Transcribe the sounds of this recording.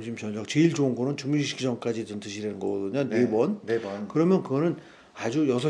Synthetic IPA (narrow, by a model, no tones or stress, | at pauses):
mɕʰimt͡ɕʌʌk̚t͡ɕeiɭd͡ʑoŋɡonɯnt͡ɕumuɕʰiɕʰiɡid͡ʑʌŋk͈ad͡ʑitɯntɯɕʰiɾenɯnɡʌɡʌdɯɲonebwʌnneʌnkɯɾʌmjʌnkɯɡʌnɯn | ad͡ʑujʌsʰʌ